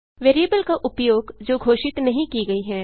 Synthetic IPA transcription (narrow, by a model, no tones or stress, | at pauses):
ʋeːɾijəbəlkaʔʊpjoːɡd͡ʒoːɡʱoːʃɪt̪nɐɦĩkiɡɐiɦɛː